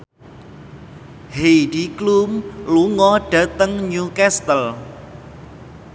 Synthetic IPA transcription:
hed̥iklumluŋɔɖ̥a̤t̪əŋɲukɛst̪əl

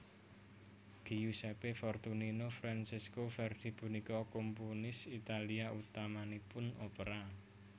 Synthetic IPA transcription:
ɡ̥ijusɛpefɔrt̪uninofɾansɪskofɛrd̪̥i̤b̥ṳnikɔkompunɪsit̪aliaut̪amanipʊnopəɾa

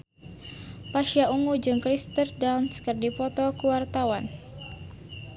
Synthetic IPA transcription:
paʃjauŋud͡ʒɨŋkɾist̪ərdawnskərdipɔt̪ɔkuwart̪awan

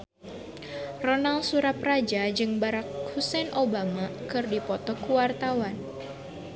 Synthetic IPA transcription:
rɔnalsuɾap̚rad͡ʒad͡ʒɨŋbaɾak̚husɛnʔobamakɨrdipɔt̪ɔkuwart̪awan

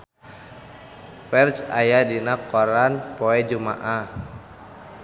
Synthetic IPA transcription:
fɛrt͡ʃajadinakːɔɾanpɔɛd͡ʒuma̰ʔa

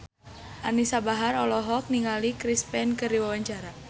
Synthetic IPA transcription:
ʔanisabaɦaɾɔlɔɦɔk̚niŋalikɾispɛnkəriwawaɲt͡ʃaɾa

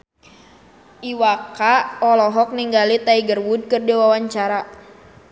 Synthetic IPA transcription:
ʔiwakaɔlɔɦɔk̚niŋɡalit̪aiɡərwud̚kɨrdiwawaɲt͡ʃaɾa

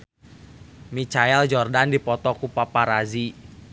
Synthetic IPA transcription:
mit͡ʃaɛld͡ʒɔrdandipɔt̪ɔkupapaɾazi

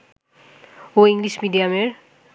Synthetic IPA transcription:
oiŋɡlismidijameɹ

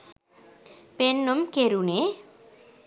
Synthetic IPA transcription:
penːomkeɾune

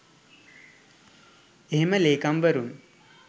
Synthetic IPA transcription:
eɦeməleːkambəɾun

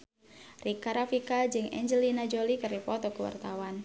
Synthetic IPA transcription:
rʔikaɾafikad͡ʒɨŋɛ̰ɲd͡ʒəlinad͡ʒolikəripɔt̪ɔkuwa̰rt̪awan

